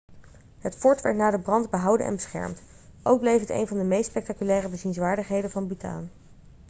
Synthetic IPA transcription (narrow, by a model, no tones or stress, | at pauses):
ɦətfɔɹtʋɛɹtnaːdəbrɑndbəɦʌwdə̰nʔɛ̰nbəsχɛ̰ɹmt | ʔowɡ̚blejfɦətḛjnvɑndəmejstspɛk̚takylɛːrəbəzinzʋaːɹdəχɦejdənvɑnbyta̰ːn